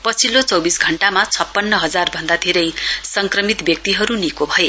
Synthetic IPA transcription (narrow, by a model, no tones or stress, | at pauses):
pʌt͡sʰilot͡sʌwbisɡʱʌɳʈamat͡sʰʌpːʌnːʌɦʌd͡zarbʱʌnd̪at̪ʰiɾʌjsʌŋkrʌmit̪bjʌk̚t̪iɦʌɾunikobʱʌje